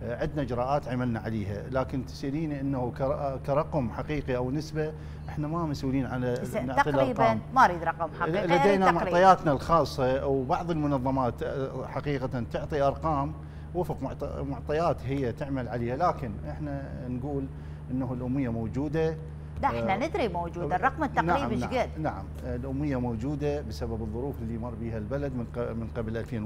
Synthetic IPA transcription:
ʕɪd̪naʔɪd͡ʒɾˤɑːʔaːt̪ʕamalnaʕaleːha̰laːkɪnt̪ɪ̥sʔliːniʔənːahukakaɾˤɑqʊmħaqiːqiʔawnɪsba | ʔɪħnamamasʔuːliːnʕalanɪʕtˤilʔɑɾɑːmmaʔɾiːd̪ɾˤɑqɑmħɑlad̪eːnamʊʕˤɑjaːt̪nalxɑːsˤːɑwbɑʕðˤəlmʊnɑðˤːɑmaːt̪ħaqiːqat̪ant̪ʊʕt̪ˤiʔɑɾˤqɑːm | wɪfqmʊʕt̪ˤmʊʕt̪ˤɑjaːt̪ɦɪjːat̪ɪʕmalʕaleːhalaːkɪnʔɪħna | nɡuːl | ʔɪnːahlʔʊmːɪjːamowd͡ʒuːd̪a | ɪnanɪd̪ɾimowd͡ʒuːd̪arˤːɑqmt̪ːanaɾiːbʕɡɪd̪naʕa̰mɪlʔʊmːɪjːamowd͡ʒuːd̪absababɨðˤːʊɾuːfɪlːijmɑrˤːbiːhalbalad̪mmɪnqablʔalfeːn

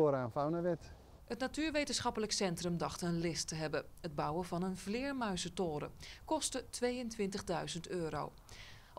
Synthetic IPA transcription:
ɾaːnfawnəʋɪt | hətnatyːɹʋejtənsχɑpələksɛntrɵmdɑχtənlɪstəɦɛbəəd̚bawəvɑnənvlɪːɹmœɥsətoːɾə̰kɔstətʰʋejəntʋɪntəɣdœɥzəntøːɾo̰w

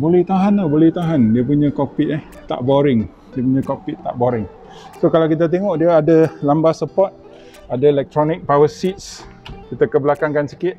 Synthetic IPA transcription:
bolɛht̪aɦanabolɛht̪aɦandiəp̬uɲə̃kopiʔɛh | t̪a̰ʔboɾɪŋ | diəp̬uɲə̃kopiʔt̪aʔboɾɪŋ | sokalawkit̪̬at̪̬eŋɔʔdiəadəlambasəpɔt̪̚ | adəelɛk̚t̪ɾɔnɪk̚pawəsit̪̚s | kit̪akəbəlakaŋkansi̥kɪʔ̪̚

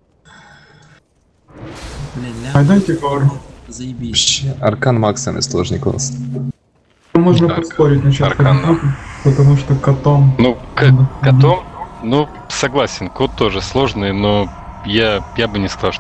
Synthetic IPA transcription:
ɐjd̪ojʲtʲɪkor | pɕeɐrkanmaksɨmɨ̰slˠoʐnʲɪko̰ns | moʐnəpɐspoɾʲɪt̚ʲnɐt͡ɕapɐɾatʲʊpət̪ɐmuʂt̪okɐt̪omnunɐɐnomnu | sɐɡlˠasʲɪnkot̪ːo̞ʐɨslˠo̞ʐnɨjno | jajabɨnʲɪskɐzɑlˠ

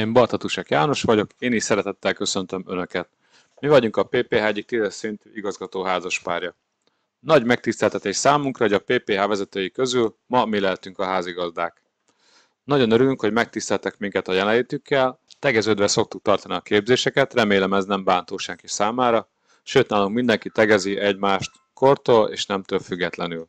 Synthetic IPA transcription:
eːmbɒrt̪ɒt̪uʃɛkjaːno̞ʃʋɒɟo̞keːniːʃsɛɾɛt̪ɛt̪ːɛlkø̞sø̞nt̪ø̞mø̞nø̞kɛt̪̚ | mivɒɟuŋkɒpeːpeːɦaːɛɟik̚t̪id̪ɛsint̪yːiɡɒzɡɒt̪oːɦaːzɒʃpaːrjɒ | nɒɟmɛk̚t̪ist̪ɛlt̪ɛt̪eːʃsaːmuŋkrɒoɟɒpeːpeːɦaːvɛzɛt̪øːjikø̞zyl | mɒmilɛɦɛt̪yŋkɒɦaːziɡɒzd̪aːk | nɒɟo̞nøɾylyŋkho̞ɟmɛk̚t̪ist̪ɛlt̪ɛkmiŋkɛt̪ɒjɛlɛliːt̪ykːɛlt̪ɛɡɛzøːd̪ʋɛso̞k̚t̪uk̚t̪ɒrt̪ɒniɒkeːbzeːʃɛkɛt̪rɛmeːlɛmɛznɛmbaːnt̪oːʃɛŋkisaːmaːɾɒ | ʃøːt̪naːluŋkmind̪ɛŋkit̪ɛɡɛziʔɛɟmaːʃt̪ | ko̞rt̪oːlḛːʃnɛmt̪øːlfyɡːɛt̪lɛnyl

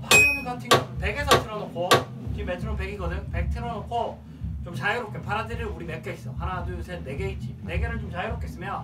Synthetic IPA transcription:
pʰaɾɯnɯkatʰiŋɡʌpe̞ɡe̞sʰʌtʰɯɾʌnʌkʰo | t͡ɕimːetʰɯɾonpe̞ɡiɡʌdɯŋpe̞k̚tʰɯɾʌnokʰo | t͡ɕomt͡ɕajɯɾok͈ʰepʰaɾadɯɾiuɾimek͈eis͈ʌhanadusʰenneɡeit͡ɕ͈ine̞ɡe̞ɾɯɭt͡ɕomt͡ɕajuɾop̚k͈e̞s͈ɯmjo

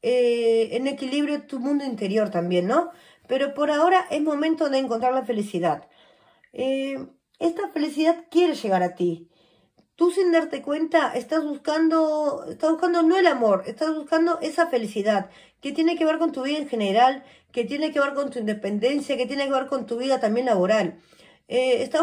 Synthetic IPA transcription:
eene̞kiliβɾjot̪umũnd̪oint̪e̞ɾjo̞ɾt̪ambje̞nːo̞ | pe̞ɾo̞po̞ɾao̞ɾaʔe̞zmo̞mẽnt̪o̞ðeːŋko̞nt̪ɾaɾlafe̞lisiðað | e | e̞st̪afe̞lisiðaðkje̞ɾe̞sʃe̞ɣaɾat̪i | t̪usind̪aɾt̪e̞kwe̞nt̪aʔest̪azβuskand̪o̞est̪azβuskand̪o̞no̞elamo̞ɾe̞st̪azβuskand̪o̞ʔe̞safe̞lisiðað | ke̞t̪je̞ne̞ke̞β̞e̞ɾko̞nt̪uβ̞iðaeŋxe̞ne̞ɾal | ke̞t̪jene̞ke̞βe̞ɾkont̪uind̪e̞pe̞nd̪e̞nsjake̞t̪je̞ne̞keβeɾko̞nt̪uβiðat̪ambjenlaβo̞ɾal | eːst̪a

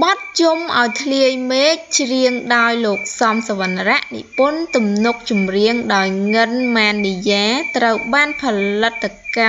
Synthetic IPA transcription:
ɓɑt̪̚t͡ɕumʔaɔjt̪ʰliəjmeːk̚t͡ɕriəŋɗaɔjloːk̚sɑmsəʋanraʔnḭʔpʊənt̪umnuk̚t͡ɕumriəŋɗaɔjŋɨnmaːnːijaːt̪rəwɓaːnpʰɑlət̪ʰːka

